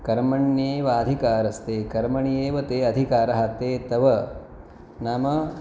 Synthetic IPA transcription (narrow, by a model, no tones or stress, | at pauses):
kɐɾmɐɳjeːʋaːd̪ʱikaːɾɐst̪eːkɐɾmɐɳijeːʋɐt̪eːɐd̪ʱikaːɾɐɦat̪eːt̪ɐʋɐ | naːmɐ